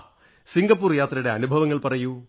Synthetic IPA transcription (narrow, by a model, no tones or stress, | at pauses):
siŋɡɐpːuːrjaːt̪rɐɽe̞ɐnubʱɐʋɐŋːɐɭpɐrɐju